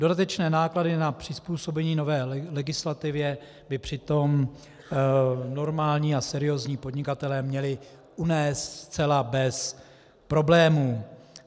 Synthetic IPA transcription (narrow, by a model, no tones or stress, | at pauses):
d̥o̞dat̪ɛt͡ʃnɛːnaːkladɪnapr̝̥ɪspuːso̞bɛɲiːno̞vɛːlɛɡɪslat̪ɪvjɛ | bɪpr̝̥ɪt̪o̞m | no̞ɾmaːlɲiːasɛɾɪjo̞zɲiːpo̞dɲɪkat̪ɛlɛːmɲɛlɪ | ʔunɛːst̪st͡sɛlabɛs | pɾo̞blɛːmuː